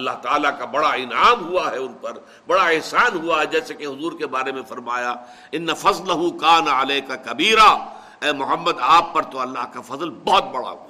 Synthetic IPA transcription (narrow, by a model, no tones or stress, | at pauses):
ɐlːaɦt̪aːlakabɐɽaɪnaːmɦuaɦɛʊnpɐɾ | bɐɽaeɦsaːnɦuaɦɛd͡ʒɛːsekeɦʊzuːɾkebaːɾemẽfɐɾmaːja | ɪnːɐfɐzlɐɦukaːnɐʕaleːkakɐbiːɾa | ɛːmʊɦəmːəd̪aːpːɐɾt̪oɐlːaːɦkafɐzlbɔːt̪̚bɐɽa̰ɦua